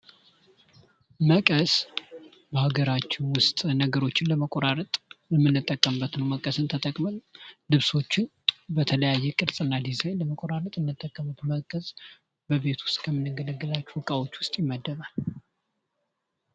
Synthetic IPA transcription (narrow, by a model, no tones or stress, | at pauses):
məkʼəs | bəhaɡəɾat͡ʃːɪnwʊst̪ʼnəɡəɾo̞t͡ʃːɪnləməkʼoɾaɾət̪ʼləmːɨnːɨt̪ʼːəkʼːəmbːət̪nəwməkʼəsɨnt̪ʰət̪ʼəkʼməllɨβso̞t͡ʃːɪn | bət̪ʰələjajːɛkʼɨɾsʼɨnːad̪izlajləməkʼoɾaɾət̪ʼɨnːɨt̪ʼːəkʼːəmət̪məkʼəsʼ | bəβe̞t̪ʰwʊ̥st̪ʼkʰəmɨnɨɡələɡːɨlat͡ʃːuwɨkʼawo̞t͡ʃːwʊst̪ʼjɪmːəd̪ːəβal